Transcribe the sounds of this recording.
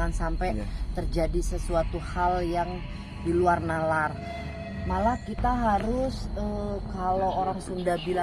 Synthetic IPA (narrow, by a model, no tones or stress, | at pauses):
ansampɛt̪ərd͡ʒadisəsuat̪uhaljaŋ | diluarnalar | malakit̪aɦaɾʊsəkalooɾaŋsundahbila